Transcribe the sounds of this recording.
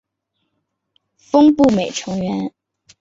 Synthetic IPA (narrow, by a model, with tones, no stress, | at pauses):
fɤ˥ŋpu˥˩me˨˩ɪʈ͡ʂʰɤ˧˥ŋɥɛ˧˥n